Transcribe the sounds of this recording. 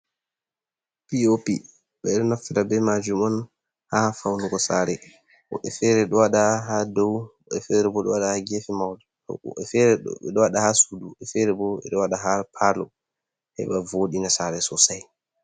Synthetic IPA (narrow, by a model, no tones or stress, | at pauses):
piopḭ | ɓɛɛɗɔnafiɾabɛmad͡ʒumɔn | hafawnuɡɔsaːɾɛ | ʔɔ̰ʔɛfɛɾɛɗɔwaɗaɦadɔw | ɛfɛɾɛbɔɗɔwaɗahaɡefimawdɛtɔ̰ɛfɛɾɛɛɗɔwaɗahasuduɛfɛɾɛbɔɛ̰ɗɔwaɗaɦaɾpʰalɔ̰ | hɛ̰ɓavoɗinasaɾɛsɔsaj